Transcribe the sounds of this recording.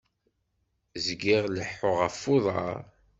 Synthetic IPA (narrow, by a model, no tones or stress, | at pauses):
zɡiʁləħːʊʁəfːoðˤɑ̰ɾ